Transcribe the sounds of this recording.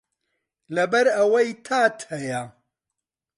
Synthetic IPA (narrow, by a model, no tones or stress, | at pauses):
lɐbɐɾɐwɐjt̪ʰaːt̪hɐja